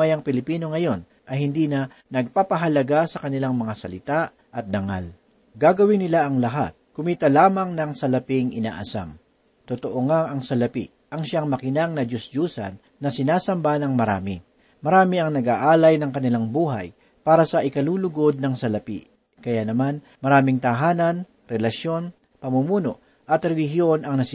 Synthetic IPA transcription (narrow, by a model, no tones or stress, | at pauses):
ajɐŋpɪlɪpiːno̞ŋɐjo̞n | ʔɐjhɪnd̪iːnɐ | nɐɡ̚paːpɐɦɐlɐɡasɐkɐnɪlaŋmɐŋasɐlɪt̪a | ʔɐt̪̚d̪ɐŋa̰l | ɡaɡɐwɪnːɪlaʔɐŋlɐɦa̰t̪̚kʊmiːt̪ɐlaːmɐŋnɐŋsɐlɐpɪŋɪna̰ːʔɐsa̰m | t̪ot̪oʔoŋaʔɐŋsɐlɐpḭ | ʔɐŋʃaŋmɐkɪnaŋnɐd͡ʒosd͡ʒuːsɐ̰nːɐsɪnaːsɐmbanɐŋmɐɾa̰ːmɪ | mɐɾaːmɪɐŋnɐɡaːʔaːlɐjnɐŋkɐnɪlaŋbuːɦa̰j | paːɾɐsɐʔɪkɐluːlʊɡo̞d̪̚nɐŋsɐlɐpḭ | kɐjanɐman | mɐɾaːmɪŋt̪ɐɦaːnɐn | ɾɛlɐʃjo̞n | pɐmumuːno̞ʔ | ʔɐt̪ɾɛlɪɦjo̞nɐŋnɐs